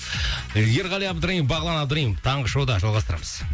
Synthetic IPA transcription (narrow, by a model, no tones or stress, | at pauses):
jeɾʁɑlˠijɑb̚d̪əɾɑjimbɑʁəlˠɑnɑbd̪əɾajimt̪ʰɑɴʁəʃowd̪ɑʒɑlˠʁɑst̪əɾɑ̰məz̥